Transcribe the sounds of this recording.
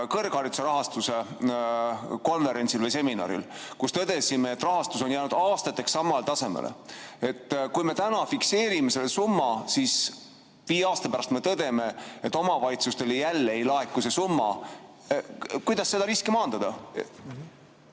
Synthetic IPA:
kɤ̞rɡ̥ɑɾit̪u̥seɾɑɦɑst̪use̞ | ko̞nve̞ɾe̞nt̪silvejse̞minɑ̰ɾḭlkust̪ɤd̪̥e̞simeːt̪ːˑrɑɦɑst̪uso̞njæːnud̪ɑːst̪ɑt̪ːˑe̞ksːɑmɑlet̪ɑse̞mḛlʔḛe̞t̪ːˑkujme̞t̪ænɑfikse̞ːɾime̞se̞lːesumːɑsis | viːeɑːst̪ɑpæɾɑst̪me̞t̪ɤd̪̥e̞me̞et̪ːˑo̞mɑvɑlʲit̪sust̪e̞lejælːeejlɑekːˑuse̞sumːɑ̰ | kujd̪ɑsːe̞d̪ɑɾiskimɑːnd̪ɑd̪̥ɑ

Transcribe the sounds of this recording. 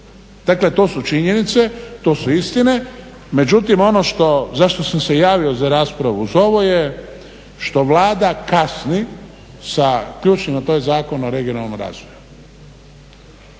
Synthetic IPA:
d̪̥akle̞t̪o̞ːsut͡ʃiɲe̞nit̪se̞t̪o̞ːsuist̪ine̞ | me̞d͡ʒut̪imo̞no̞ʃt̪o̞zaʃt̪o̞samse̞jaːʋio̞zaɾaːspɾaʋuuzo̞ʋo̞je | ʃt̪o̞ʋlaːd̪akasni | sakʎuːt͡ʃnimnat̪oːjzaːko̞noɾe̞ɡio̞nalˠnomɾa̰ːzʋoju

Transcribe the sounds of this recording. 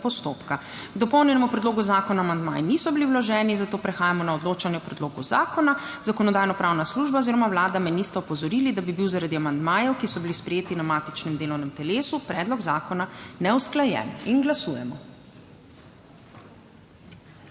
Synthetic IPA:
pɔst̪oːpka | ɡ̥d̪ɔpɔwnjɛnɛmupɾɛd̪loːɡuzaːkɔnaːmand̪ma̰ːjɛnisɔbiliwlɔʒɛːninzat̪oːpɾɛxaːjamɔnaɔd̪loːt͡ʃanjɛɔpɾɛd̪loːɡṵza̰ːkɔna | zakɔnɔd̪aːjnɔpɾawnasluʒbaɔziːɾɔmawlaːd̪amɛnist̪ɛɔpɔzɔɾilid̪abibiwzaɾad̪iamand̪maːjɛwkisɔbilispɾɛjeːt̪inamaːt̪i̥t͡ʃnɛmd̪eːlɔwnɛmt̪ɛleːsupɾɛːd̪lɔɡzaːkɔnanɛwsklajɛ̰ninɡlasuːjɛ̰mɔ̰

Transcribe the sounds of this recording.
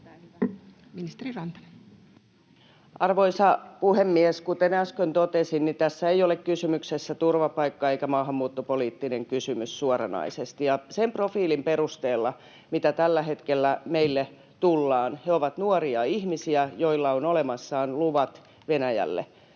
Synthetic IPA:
minist̪erirɑnt̪ɑ̥ | ʔɑrʋoisɑpuhemːieskut̪enæskønt̪ot̪esinnit̪æsːæejolekkysymyksesːæt̪urʋɑpɑikːɑeikæmɑːɦɑmːuːt̪ːopoliːt̪ːineŋkysymyssuorɑnɑ̰isest̪ijɑsemprofiːlimperust̪eːlːɑ | mit̪æt̪ælːæhet̪kelːæmeilːe | t̪ulːɑːnheoʋɑt̪nuoriɑihmisiæjoilːɑonolemɑsːɑːnluʋɑt̪ | ʋenæjæ̰lːḛ

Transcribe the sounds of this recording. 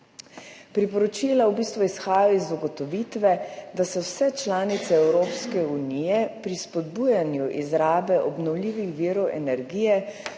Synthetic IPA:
pɾipɔɾɔt͡ʃiːlawbiːst̪ʋuisxaːjaizɔɡɔt̪ɔʋit̪ʋɛd̪asɔwsɛt͡ʃlaːnit̪sɛɛwɾoːpskɛunijɛpɾispɔd̪buːjanjuʔizɾaːbɛʔɔbnɔwliːʋixʋiəɾɔwʔɛ̰nɛɾɡiːjɛ

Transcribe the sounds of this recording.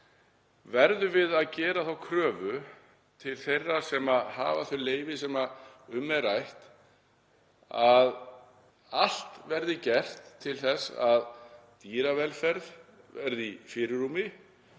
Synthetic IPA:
vɛɾðʏvɪðaðcɛːɾaθawkʰɾœːvʏ | t̪ʰɪlθejrːḁsɛmaðha̰ːvaθœleːjvɪsɛmaʏmːɛɾajht̪ | að | al̥t̪vɛɾðɪcɛr̥t̪ʰːɪlθɛsaðt̪iːɾavɛlfɛɾð | vɛɾðifɪːɾʏɾumɪ

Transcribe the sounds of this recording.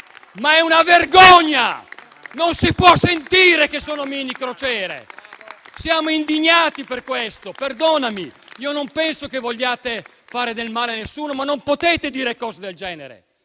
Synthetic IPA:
maɛunaverɡɔɲːa̰ | nonsipwɔsːent̪iːɾekesːoːnomiːnikɾot͡ʃɛːɾḛ | sjaːmoind̪iɲːaːt̪iperkwest̪operd̪oːnamiiːonompɛnsokevoʎːaːt̪e | faːɾed̪elmaːleanːesːuːnomanːompot̪eːt̪ed̪iːɾekɔːzed̪eld͡ʒɛːneɾḛ

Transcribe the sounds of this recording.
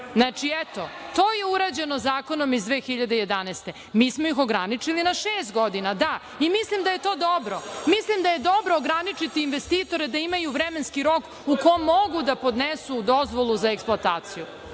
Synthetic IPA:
znat͡ʂiɛt̪o̞t̪oːjeuɾaːd͡ʑe̞nozaːkonomizd̪ʋeːxiʎad̪eje̞d̪anɛːst̪e̞ | miːsmojixoɡɾanit͡ʂilinaʃeːst̪̚ɡo̞d̪inad̪a | imislimd̪aje̞t̪o̞ːd̪obɾo̞mislimd̪aje̞d̪o̞bɾoːɡɾanit͡ʂit̪iːnʋest̪iːt̪o̞ɾed̪aimajuʋɾemenskiɾo̞k | ukomːoɡud̪apo̞d̪nesud̪ozʋolˠuzaeksplˠoat̪aːt̪siju

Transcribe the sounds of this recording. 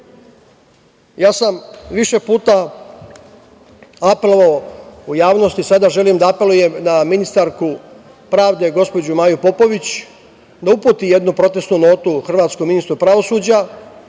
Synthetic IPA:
jaːsamʋiʃe̞puːt̪a | ape̞lˠo̞ʋaoujaːʋno̞st̪isad̪aʒe̞limd̪aape̞luje̞mnaminist̪aɾku | pɾaːʋd̪e̞ɡo̞spo̞d͡ʑumaːjupo̞po̞ʋit͡ɕ | d̪aupuːt̪ije̞d̪nupɾo̞t̪e̞st̪nuno̞ːt̪uxr̩ʋaːt̪skominist̪ɾupɾaʋo̞suːd͡ʑa

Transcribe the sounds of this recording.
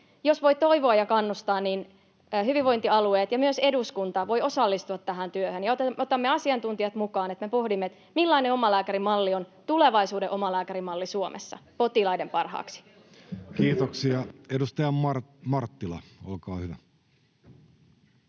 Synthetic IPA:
josʋo̞itt̪o̞iʋoɑjɑkɑnːust̪ɑːnninː | ɦyʋiʋo̞jnt̪iɑlueːt̪jɑmyøse̞duskunt̪ɑʋo̞jo̞sɑlːist̪uɑt̪ːæɦænt̪yøhønjɑot̪eot̪ɑmːeɑsiɑnt̪unt̪ijɑt̪mukɑːnet̪me̞po̞hdimːet̪ | milːɑineo̞mɑlæːkæɾimɑlːiont̪ule̞ʋɑisuːdeʔo̞mɑlæːkæɾimɑlːisuomʔḛsːɑ̰po̞t̪ilɑjde̞mpɑrhɑ̰ːksi̥ | kiːt̪oksiɑedust̪ɑjɑɑmɑrt̪ːilɑ̰olkɑːhyʋæ

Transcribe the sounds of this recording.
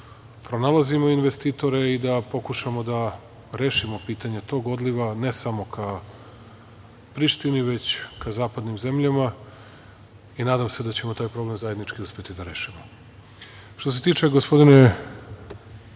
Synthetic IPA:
pɾo̞nalˠazimo̞inʋe̞st̪iːt̪o̞ɾe̞id̪apo̞kuʃamo̞d̪a | ɾe̞ːʃimo̞piːt̪aɲe̞t̪o̞ːɡo̞d̪liʋane̞samo̞kʰa | pɾiʃt̪iniʋe̞t͡ɕkazaːpad̪nimze̞mʎama | inaːd̪amse̞d̪at͡ɕe̞mot̪aːjpɾo̞ble̞mzaje̞d̪nit͡ʃkiuspʲjet̪id̪aɾe̞ːʃimo | ʃt̪os̬e̞t̪iːt͡ʃe̞ɡospo̞d̪ine

